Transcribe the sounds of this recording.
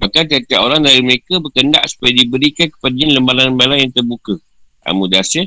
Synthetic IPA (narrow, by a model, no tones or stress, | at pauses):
bakant̪iɦat̪iaʔoɾaŋdaɾiməɾekabərkənda̰ʔsu̥pajadibəɾikankə̥padaɲaləmbalanəmbalaŋjaŋt̪ərbukə | ʔa̰mudasɪ